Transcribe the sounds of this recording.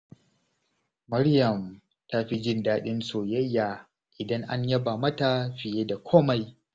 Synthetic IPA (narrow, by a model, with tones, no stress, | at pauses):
mɐ˦ɽjɐ˨m | ta˦ɸi˦d͡ʒɪ˦˨ndaː˦ɗɪ˦nsoː˨jɐ˦jːa˨ | ʔɪ˨dɐ˦ŋʔa˦ɲjɐ˦baː˨mɐ˦ta˨ɸɪ˨jeː˦da˨kʷʰoː˦ma˨j